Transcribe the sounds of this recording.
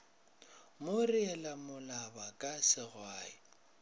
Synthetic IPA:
mʊriɛlamʊlabakʼasɪɣwaːɪ̰

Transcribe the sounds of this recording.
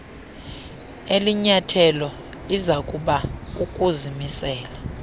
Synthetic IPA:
eliɲatʰɛlɔ | izakʼuɓak̬ʼukʼuzimisɛːla

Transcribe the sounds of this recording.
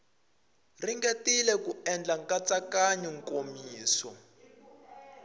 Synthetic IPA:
riŋɡetilɛkuɛnd͡ɮaŋkʼat͡sʼakaɲɛŋkʼomiːsɔ

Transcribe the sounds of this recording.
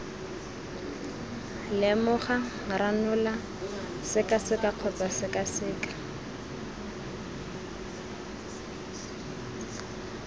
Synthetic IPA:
lɪmʊχa | ranʊla | sɪkasɪkaq͡χʰɔt͡sʼasɪkʼasɪːkḁ

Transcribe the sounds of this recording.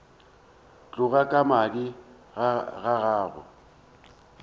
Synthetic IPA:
t͡ɬʼʊɣakʼamadi | ɣaɣaːɣʊ̰

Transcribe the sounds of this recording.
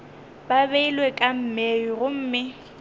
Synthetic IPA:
baβeilwekʼam̩meiɣʊm̩ːmɪ

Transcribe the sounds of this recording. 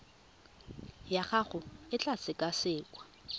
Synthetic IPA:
jaχaχʊɪt͡ɬʼat͡sɪkʼasɪːkʼwa

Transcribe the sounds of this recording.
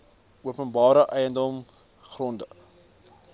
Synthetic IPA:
uəpənbɑːɾəʔɛjəndɔm | χrɔndə

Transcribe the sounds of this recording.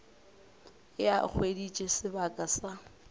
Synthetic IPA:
ɪjak͡xʰwedit͡ʃʼesɪbakʼasa

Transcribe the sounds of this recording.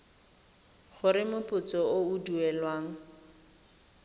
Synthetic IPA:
χʊɾɪmʊpʊt͡sɔouduɛlwaːŋ̩

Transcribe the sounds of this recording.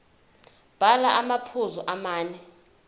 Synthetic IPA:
b̥ʱalaʔamapʰuzɔʔamaːnɛ

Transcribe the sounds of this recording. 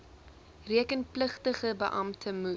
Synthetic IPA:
riəkənpləχtəχəbə̰ʔɐmtʰəmu

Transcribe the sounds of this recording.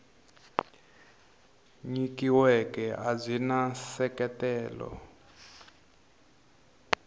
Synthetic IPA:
ɲikiwɛkɛʔazʷinasɛkɛtɛːlɔ̰

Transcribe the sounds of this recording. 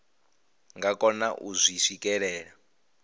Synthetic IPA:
ŋɡakʼɔnaʔuzʷiʂikɛɺɛːɺa

